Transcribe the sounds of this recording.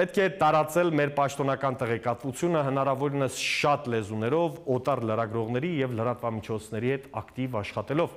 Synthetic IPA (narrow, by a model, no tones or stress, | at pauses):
pɛt̪̚kʰɛt̪ɑɾɑt͡sɛlmɛɾpɑʃt̪ɔnɑkɑnt̪ɛʁɛkɑt̪vut͡sʰjunəɦənɑɾɑvɔɾinəsʃɑt̪lɛzunɛɾɔvɔt̪ɑrləɾɑɡɾɔʁn̪ɛɾijɛvləɾɑt̪vɑmit͡ʃʰɔt͡sʰnɛɾihɛt̪ɑkt̪ivɑʃχɑt̪ɛlɔv